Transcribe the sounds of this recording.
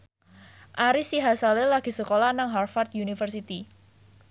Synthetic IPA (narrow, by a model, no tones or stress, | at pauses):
ʔaɾisiɦasalɪlaɡ̥i̤səkolanaŋɦarfart̪junifərsit̪i